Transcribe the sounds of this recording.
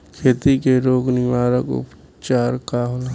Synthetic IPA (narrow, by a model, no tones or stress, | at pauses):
kʰeːt̪ikeɾoːɡnɪʋaːɾəkʊ̰p | t͡ʃaːɾkaːɦol